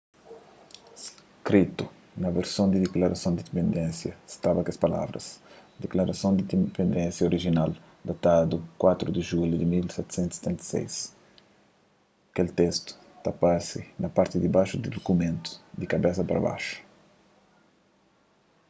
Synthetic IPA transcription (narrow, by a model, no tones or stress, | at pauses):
s | kɾit̪u | nɐveɾsõw̃d̪id̪eklaɾɐsõw̃d̪id̪ipẽnd̪ẽnsjɐst̪abɐkɐspɐla̰vɾɐ̰sd̪eklaɾɐsõw̃d̪ipẽnd̪ẽnsjɐoɾiʒinal | d̪at̪ad̪ukwat̪ɾud̪iʒuljud̪imilsɛt̪u̥sẽnt̪u̥se̥t̪ẽnt̪ɐ̥sḛjs | ɐkelt̪est̪u̥ | t̪apasinɐpaɾt̪id̪ibaʃud̪id̪okumẽnt̪u̥d̪ikɐbesɐpɾɐ̰ba̰ʃu̥